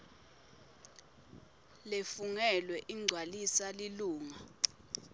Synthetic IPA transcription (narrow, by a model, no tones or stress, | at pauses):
lefuŋɛlwɛʔiŋ͡ǀʱwalisaliluːŋa